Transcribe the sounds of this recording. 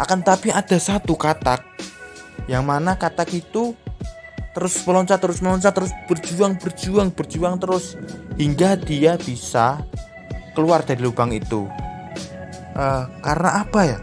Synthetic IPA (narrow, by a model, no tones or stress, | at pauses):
ʔakant̪apiad̥a̤sat̪ukat̪ak̚ | jaŋmanakat̪akit̪u | t̪əɾʊsməlɔɲt͡ʃat̪ːəɾʊsməlɔɲt͡ʃat̪ːəɾʊsb̥ərd͡ʒuaŋb̥ərd͡ʒuaŋb̥ərd͡ʒuaŋt̪əɾʊshiŋɡad̪̥iab̥isa | kəluard̪̥a̤ɾilubaŋit̪ṵ | ʔəkaɾənaʔab̥aja